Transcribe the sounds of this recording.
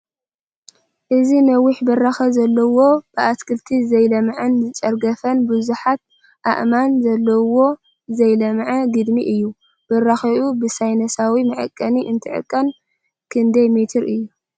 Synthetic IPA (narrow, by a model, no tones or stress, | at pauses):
ʔɨzinɐwʊħbɨraxɐzɐlːɐwo̞b̥ɨʔat̪kʰɨlt̪ʰizɐjlɐmʕɨnzɨt͡ʃʼɐɾɡɐfɐnbɨzuħat̪̚ | ʔa̰ʔmanzɐlːɐwo̞ | zɐjlɐmʕɐɡɨd̪miʔɨjːu | b̥ɨraxɐʔubɨsajnɐsawimɐʕɨ̰kʼːɐniʔɨnt̪ʰɨʕɨ̰kʼːɐn | kʰɨnd̪ɐjmet̪ʰɨɾɨjːu